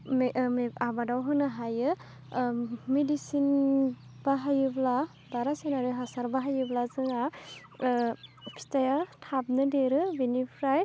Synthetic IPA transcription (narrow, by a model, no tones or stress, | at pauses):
mmeabadawɦɯnɯɦajɯ | medisin | b̥aɦajɯbla | baɾasenaɾɯɦasaɾbaɦajɯblazɯŋa | pʰi̥tajatʰab̚nɯdeɾɯbinipʰɾaj